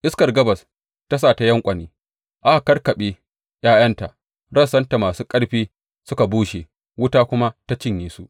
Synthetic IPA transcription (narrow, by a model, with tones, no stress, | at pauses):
ʔɪ˦skɐ˨rɡɐ˦bɐ˨s | ta˦s̬aː˦˨ta˦jɐ˦ŋkʷʼɐ˨niː˦ | ʔa˦˨kɐ˦rkɐ˨ɓe˦ | jaː˦jɐ˦nta˨ʔ | ɽɐ˦sɐ˦nta˨maː˨suː˦kʼɐ˦ɽɸiː˦ | sʊ˦ka˨buː˦ʃeː˨ | wʊ˦taː˦kʷʊ˦ma˦ta˦t͡ʃɪ˦ɲjiː˦su˦ʔ